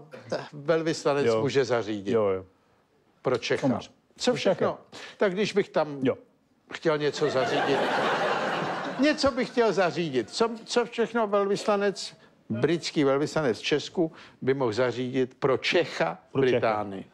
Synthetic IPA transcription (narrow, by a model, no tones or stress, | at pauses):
vɛlvɪslanɛmuːʒɛzariːɟɪ | pɾot͡ʃɛxo̰ | t͡sofʃɛxnnot̪aɡdɪʒbɪxt̪am | xcɛlɲɛt͡sozariːɟɪt̪ | ɲɛt͡sobɪxcɛlzariːɟɪt̪t͡sot͡sofʃɛxnovɛlvɪslanɛt͡s | bɾɪt͡skiːvɛlvɪslanɛt͡st͡ʃɛskubɪmoɣzariːɟɪt̪pɾot͡ʃɛxabɾɪt̪aːnɪ̰